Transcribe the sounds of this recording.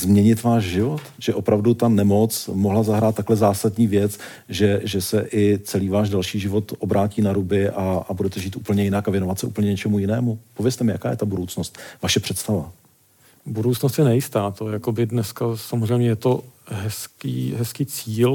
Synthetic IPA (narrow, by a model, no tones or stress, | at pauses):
zmɲɛɲɪt̪vaːʃʒɪvo̞t̪ʒ̥ɛʔo̞pɾavdut̪anɛmo̞t͡smoɦlazaɦɾaːt̪̚ːaklɛzaːsadɲiːvjɛt͡s | ʒɛʒɛsɛʔɪt͡sɛliːvaːʒdalʃiːʒɪvo̞t̪ʔo̞bɾʔaːciːnaɾubɪʔaabudɛt̪ɛʒiːt̪ʔṵːpl̩ɲɛjɪnakavjɛno̞vat̪sɛʔṵpl̩ɲɛɲɛt͡ʃɛmujɪnɛːmupo̞vjɛst̪ɛmɪja̰kaːjɛ̰t̪abudo̞wt͡snost̪̚vaʃɛpr̝̥ɛt̪st̪ava̰ | budowt͡snost̪jɛnɛjɪst̪aːt̪ojakobɪdnɛskasamozrɛjmɲɛjɛt̪oɦɛskḭːɦɛskiːt͡siːl